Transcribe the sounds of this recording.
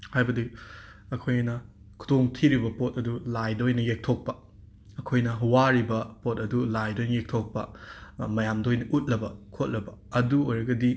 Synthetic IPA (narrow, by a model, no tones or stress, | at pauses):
hajbɐdiɐkʰojnɐ | kʰu̥doŋtʰiɾibɐpot̚ɐdulajdɐojnɐjek̚tʰok̚pɐ | ɐkʰojnɐɦwaɾibɐpotɐdulajdojnɐjek̚tʰok̚pɐmɐjamdojnɐʔut̚lɐbɐkʰot̚lɐbɐɐduojɾɐɡɐdi